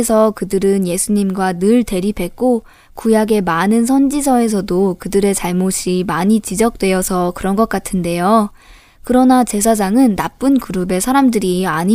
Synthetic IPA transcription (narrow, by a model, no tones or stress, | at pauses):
sʰʌkɯdɯɾɯnje̞sʰuɲimɡwanɯɭte̞ɾipʰe̞k͈o | kujaɡe̞manɯns̬ʰʌnd͡ʑisʰʌe̞s̬ʰʌdokɯdɯɾe̞t͡ɕaɭmoɕʰimaɲit͡ɕid͡ʑʌk̚t͈we̞jʌsʰʌkɯɾʌnɡʌk͈atʰɯnde̞jo | kɯɾʌnat͡ɕe̞s̬ʰad͡ʑaŋɯnːap͈ɯnkuɾube̞sʰaɾamdɯɾiaɲi